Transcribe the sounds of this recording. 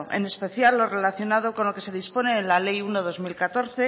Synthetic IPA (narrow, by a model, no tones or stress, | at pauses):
ʔe̞̰ne̞spe̞θjalːo̞re̞laθjo̞nað̞o̞ko̞nlo̞ke̞se̞ðispo̞ne̞ːnlale̞junoð̞o̞zmilkat̪o̞ɾθe̞